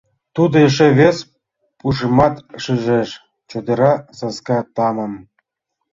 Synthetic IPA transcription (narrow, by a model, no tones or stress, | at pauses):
t̪ud̪oeʃeβes | puʃemɑt̪ʃiʒeʃ | t͡ɕod̪ɤ̆ɾɑsɑskɑt̪ɑmɤ̆m